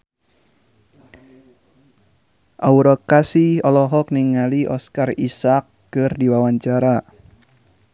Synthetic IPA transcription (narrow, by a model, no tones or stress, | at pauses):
ʔauɾɔkasiɔlɔɦɔk̚niŋaliʔɔskarisakːɨrdiwawaɲt͡ʃaɾa